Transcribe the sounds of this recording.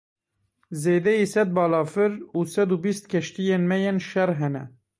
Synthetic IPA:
zeːd̪ɛjisɛd̪̚bɑːlɑːfɨɾuːsɛd̪uːbist̪̚kʲʰɛʃt̪ijeːnmɛjenʃɛɾɦɛnɛ̰

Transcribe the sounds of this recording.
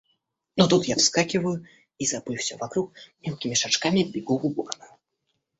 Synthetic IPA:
nɔt̪ut̪jafskakʲivɐju | izabɨjwsʲɔvakɾukmʲɛwkʲimʲiʂat͡ʂkamʲibʲiɡuubɔkanaj

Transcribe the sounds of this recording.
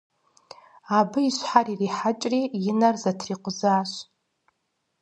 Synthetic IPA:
abɨiʃʷħaririħat͡ʃʼrijɪnarzatʰriqʷʼʊzaːʃʷ

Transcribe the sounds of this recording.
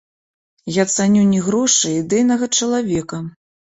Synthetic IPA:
jat̪sanʲunʲɛɣɾɔʂɨid̪ɛjnɐɣɐt͡ʂɐlˠavʲɛkɐ

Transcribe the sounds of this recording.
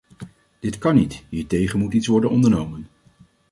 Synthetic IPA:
d̥ɪtkɑnitɦiːɹtejχənmutitsʋɔɹdənɔndəɹnowmən

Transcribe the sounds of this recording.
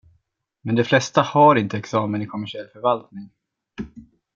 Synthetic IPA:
mɛnd̪ɛflɛst̪ahaɾɪnt̪əɛksɑːmənɪkʰɔmæʂɪɛlːfœɾvalt̪nɪŋ

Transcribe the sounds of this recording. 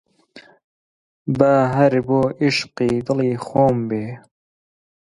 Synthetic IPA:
baɦɐɾboːʔiʃqid̪ɨliːxoːmbeː

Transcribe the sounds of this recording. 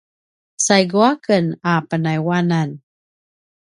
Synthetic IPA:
sajɡuakənapənajwanan

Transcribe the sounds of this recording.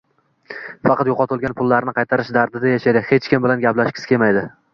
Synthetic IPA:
fɑqʰɑt̪joqɒt̪ʰʊlˠɡʲanpʰʊlˠːaɾnɪqʰɑjt̪ʰaɾɪʃd̪aɾd̪ɪd̪ajaʃajd̪ɪhe̞t͡ʃkʲɪmbɪlanɡʲaplaʃkʲɪ̥skʰʲe̞majd̪ɪ

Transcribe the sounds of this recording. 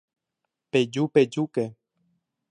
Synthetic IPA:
ped͡ʒuped͡ʒuke

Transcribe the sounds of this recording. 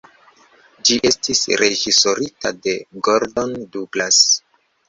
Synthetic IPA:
d͡ʒiʔe̞stisɾe̞ʒiso̞ɾita̰de̞ɡoɾdo̞ndublas

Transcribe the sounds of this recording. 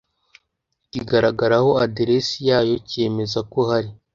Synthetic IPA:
ciɡaɾaɡaɾaho̞adeɾesijaːjo̞ce̞me̞zako̞haɾi

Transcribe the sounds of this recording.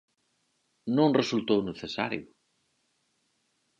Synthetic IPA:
nõŋresult̪owneθesa̰ɾjʊ

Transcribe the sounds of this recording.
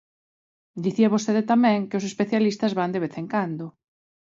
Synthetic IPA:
d̪iθiaβ̞ost̪eðet̪amɛ̃ŋkeʊs̬espeθjalist̪ɐzβand̪eβeθeŋkand̪ʊ

